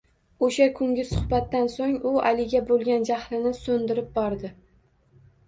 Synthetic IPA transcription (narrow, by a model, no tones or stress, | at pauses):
oʃakʰʊŋɡʲɪsʊhbat̪ːansoŋʊa̰lɪɡʲabolˠɡʲand͡ʒahlɪnɪsɵnd̪ɪɾɪp̚bɒɾd̪ɪ